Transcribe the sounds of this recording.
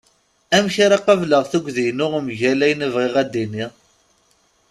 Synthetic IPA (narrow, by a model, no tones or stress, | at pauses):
æmçaɾɑqɑvləʁθuɡʷðijnʊʁmʝælæjənəvʁɪʁæd̪ːiniʁ